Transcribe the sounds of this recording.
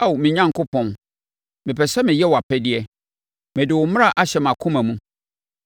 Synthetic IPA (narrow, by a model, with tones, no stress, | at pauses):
a˦˨wmɪ̃˨ɲã˦ŋkʰʊ˦pʰɔ̃˨n | mɪ̃˨pɛ˨sɛ˦mɪ̃˨jɛ˦wa˨pʰɛ˦dɪ˦ɛ˦ | mɪ̃˨dɪ˨wʊ˨m̃˦a˨ʔa˦ɕɛ˨m˨ã˨kʰʊ̃˦mã˨mũ˦